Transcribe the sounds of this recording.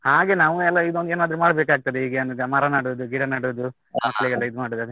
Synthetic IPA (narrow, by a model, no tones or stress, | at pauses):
haːɡe̞naːʋuɛlːɐid̪ond̪eːnaːd̪ɾumaːɽbeːkaːɡ̚t̪ɐd̪eɦiːɡeɐnd̪ɡɐmɐɾɐnaːɽuʋd̪uɡiɽɐnaːɽuʋd̪u | mɐkːɐɭiɡɐlːɐid̪umaːɽud̪ɐd̪e